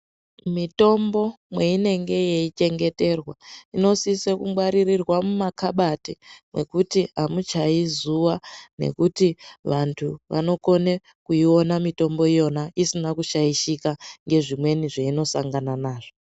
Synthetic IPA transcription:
mito̞mbo̞ | mwe̞ine̞ŋɡe̞jeit͡ʃe̞ŋɡe̞te̞rwaino̞sisekuwaɾirirwamumakaɓatimwe̞kutiamut͡ʃaizuwane̞̰kutiʋantʰuʋʔa̰no̞ko̞ne̞ | kuio̞namito̞mbo̞ijo̞naisinakuʃajiʃikaŋɡe̞ʐimwe̞niʐeino̞saŋɡananaːʐo

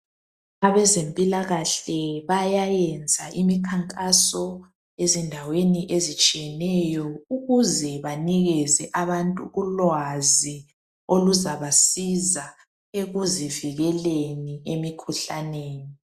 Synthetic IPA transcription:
aβɛzempʼilaɣaɬɛβajajɛnd͡zʱaʔimikʰaŋkʼasɔ | ezindʱaweniʔezit͡ʃʼijɛnɛjɔuɣuzɛβaniɣɛzɛʔaβantʼṵɣulwazi | oluzaβasiza | eɣuziviɣɛleniemikʰuɬaneːni

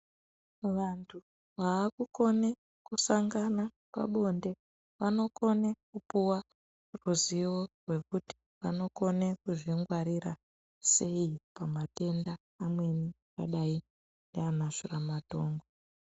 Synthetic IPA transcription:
ʋantʰu | ʋaːkuko̞ne | kusaŋɡana | pa̰ɓo̞nde̞ | ʋano̞ko̞nekupuwa | ruziworwe̞kuti̥ | ʋano̞ko̞ne̞kuʐiŋɡwaɾira | se̞ipamate̞ndaː | mwe̞ni | ka̰ɗai | ndeanaʐuramato̞ːŋɡo

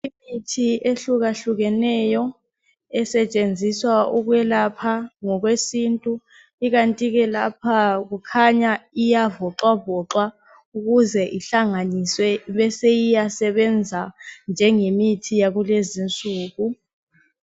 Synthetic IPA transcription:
imitʰiʔeɬuk̬aɬuk̬ɛnɛːjɔ | ɛsɛt͡ʃʼend͡zʱiswauk̬wɛlapʰaŋɔk̬wesiːntʼu | ik̬antʼik̬ɛlapʰak̬ukʰaɲaijavɔǁwavɔǁwa | uk̬uzɛʔiɬaŋaniswɛɓɛsejijasɛɓɛnd͡zʱand͡ʒʱɛŋemitʰijak̬ulezint͡sʼuːk̬u

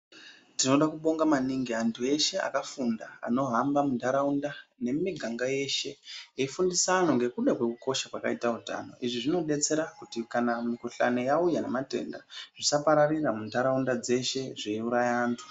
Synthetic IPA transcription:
tino̞ɗakuɓo̞ŋɡamaniŋɡiantʰue̞ʃe̞a̰kafundaa̰no̞ɦambamundaɾaundane̞miɡʱaŋɡaje̞ʃe̞eifundisaːno̞ŋɡe̞kuɗakwe̞kuko̞ʃakwaka̰itauta̰no̞̰ʔiʐiʐino̞ɗe̞t͡se̞ɾakutikanamikoɬa̰nejaujanemate̞̰nda̰ʐisapaɾariramundaɾaundad͡ze̞ʃe̞ʐeuɾajaːntʰu̥

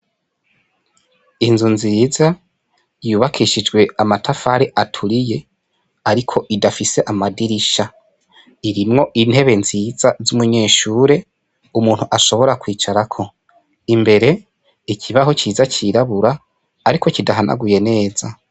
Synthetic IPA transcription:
inzunziːza | juːβakʰiʃid͡ʒɡwe̞amatʰafaɾeʔatʰuɾije̞ | aɾikʰo̞ʔidafise̞ʔamadiɾiʃa | iɾimŋo̞ʔin̥he̞βe̞nziːzazumuɲe̞ːʃuːɾe̞ | umuːn̥huʔaʃo̞βo̞ɾakwiːt͡ʃaɾakʰo̞ | imbe̞ɾe̞ | ikʰiβaɦo̞t͡ʃiːzat͡ʃiɾaβuɾaː | ɾiko̞cidaɦanʔa̰ɡuje̞ne̞ːz̥a

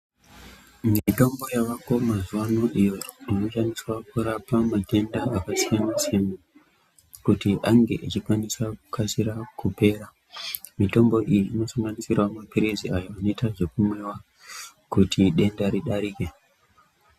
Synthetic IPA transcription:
mito̞mbo̞jaʋako̞mazuwanoʔijo̞ino̞ʃaniswakuɾapamate̞ndaːkasijamaseme | kutiʔaŋɡe̞̰ʔit͡ʃikwanisaku̥kʰasiɾakupe̞ːɾa | mito̞mbo̞ʔijiʔːno̞saŋɡanisirwamapiɾiziajoano̞itaʐe̞kumwe̞wa | kutʰiɗe̞ndaɾiɗaɾiːke̞

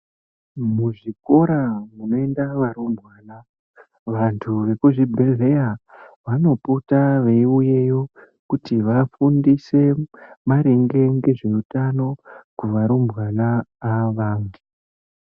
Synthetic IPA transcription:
muʐiko̞ɾamuno̞e̞ndaʋaɾumbʱwaːla | ʋantʰuʋe̞kuʐibʱe̞le̞jaʋano̞putaʋeiuje̞jo̞ | kutiʋafundise̞maɾeŋɡe̞ŋɡe̞ʐe̞utano̞kuʋaɾumbwalaːʋaːndu

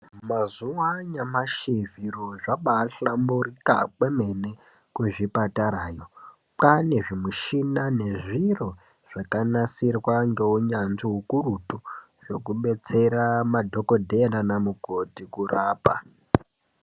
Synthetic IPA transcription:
mazuwaɲamaʃiviɾoʐaɓaɬamburika̰k͡peme̞ne | kweʐipataɾaːjo̞ | pane̞ʐimiʃinane̞ʐiro̞ | ʐ̥akanasirwaŋɡe̞uɲanziɦukurutu | ʐo̞kuɓe̞t͡se̞ɾamadʱo̞kodʱeenanamuɡotikuraːpa̰

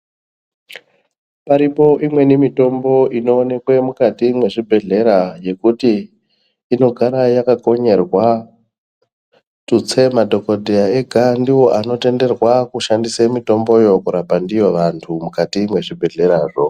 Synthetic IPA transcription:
paɾipo̞ʔimwe̞nimito̞mbo̞ino̞ːne̞kwe̞mukatimwe̞ʐibʱe̞ɮe̞ɾaje̞kutiː | no̞ɡʱaɾajakako̞ɲe̞rwa | tut͡se̞madʱo̞kodʱejae̞ɡʱandiwo̞ʔano̞te̞nde̞rwakuʃandisemito̞mbo̞jo̞kuɾapandijo̞ʋantʰumukatimwe̞ʐibʱe̞ɮe̞ɾaːʐo

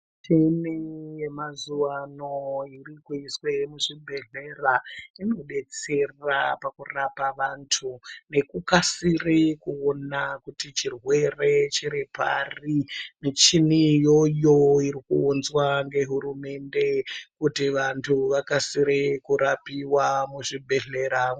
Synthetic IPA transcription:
tʰemijemazuʋanoirikuiswemuʐibʱe̞ɮe̞raino̞ɗe̞t͡se̞rrapakurapaʋantʰune̞kukasirekuonakutit͡ʃirwe̞re̞t͡ʃiɾipa̰rinet͡ʃinijo̞joiɾikuːnzwaŋɡe̞ɦuɾume̞nde̞kutiʋantʰuʋakasiɾikuɾapiwamuʐibʱe̞ɮe̞ɾa

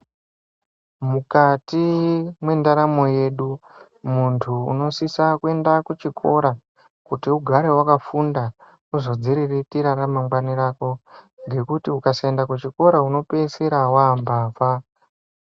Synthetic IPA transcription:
mukatimwe̞ndaɾamo̞je̞ːɗu | muntʰṵːno̞sisakue̞ndakut͡ʃikʰo̞̰ɾa | kutiuɡʱaɾe̞wakafunda | uzo̞d͡ziɾiritiɾaɾamaŋɡwaniɾako̞ | ŋɡe̞kutiukasaendakut͡ʃiko̞ɾauno̞pe̞seɾawambaːva

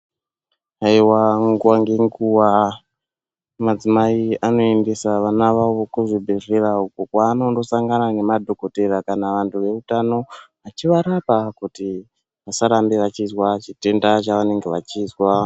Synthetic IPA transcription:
aiwaŋɡuwaŋɡe̞ŋɡuwa | mad͡zimaiano̞e̞nde̞saʋanaʋaʋokuʐibʱereraukukwaːno̞ndo̞saŋɡanane̞madʱo̞ko̞te̞ɾakanaʋantuʋe̞utano̞ʋat͡ʃiʋaɾapakuti | ʋasaɾambeʋat͡ʃizwat͡ʃite̞ndat͡ʃaʋane̞ŋɡeʋat͡ʃizwa

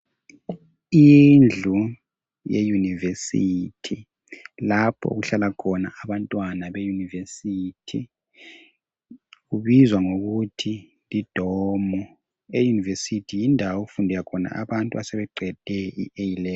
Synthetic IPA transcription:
ind͡ɮʱu | jejunivesitʰi | lapʰɔ̰ṵɣuɬalakʰɔna̰aβantʼwanaβejunivesiːtʰi | ɣuβizwaŋoɣutʰi | lid̥ʱɔmɔ | ejunivesitʰijindʱawoɣufundʱɛjakʰɔna̰a̰βantʼuasɛβɛǃʱɛd̥ʱɛḭʔejilɛ

